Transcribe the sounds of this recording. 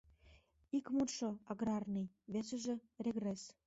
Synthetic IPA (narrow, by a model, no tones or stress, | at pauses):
ikmut̪ʃoɑɣɾɑrnij | βesɘ̆ʒĕreɣres